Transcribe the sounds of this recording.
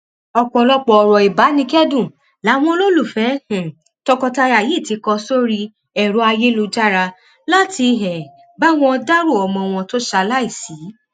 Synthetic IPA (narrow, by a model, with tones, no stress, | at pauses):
ɔ˧k͡pɔ˧˨lɔ˧k͡pɔ˧ɔ˨ɾɔ˨i˨ba˨˦nĩ˧kɛ˦dũ˦˨ | la˨˦w̃ɔ̃˦lo˦lu˦˨fɛ˨˦hɛ̃˨ | tɔ˧kɔ˧ta˧ɾa˨ji˨˦˨ti˨˧˦kɔ˧so˦ɾi˧ | ɛ˨ɾo˨˦a˧je˦lu˧d͡ʒa˦ɾa˧ | la˦tʰi˧ɦɛ˨ | ba˦w̃ɔ̃˧˦ɔ˧da˦ɾo˦˨ɔ˧˨mɔ̃˧w̃ɔ̃˧to˦ʃa˧la˦i˦˨si˨˦